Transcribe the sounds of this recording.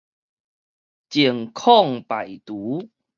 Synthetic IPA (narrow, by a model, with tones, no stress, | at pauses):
t͡ɕi˨˩əŋkʰɔ˥˨ŋpa˨˩jt̪u˨˦